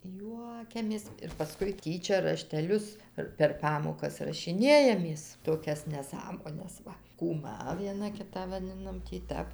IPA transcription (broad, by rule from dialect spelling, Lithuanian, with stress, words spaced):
ˈjuɔkʲɛmʲeːs ɪr pɐˈskʊɪ ˈtʲiːt͡ʃʲɛ rɐʃʲtʲɛˈlʲʊs ɪr pʲɛr ˈpɑːmoːkɐs rɐʃʲɪˈnʲeːjɛmʲeːs toːˈkʲɛs nʲɛˈsɑːmoːnʲɛs ˈʋɐ kuːˈmɐ ʋʲiɛˈnɐ ˈkʲɪtɑː ʋɐˈdʲɪnɐm tʲiː ˈtʲæp